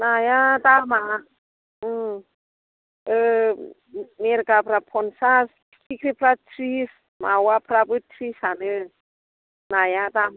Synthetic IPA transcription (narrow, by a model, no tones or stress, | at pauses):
najat̪ama | ə | meɾkapɾapʰɔnsas | kikɾipratris | mawapɾapɨt̪risanə | najat̪am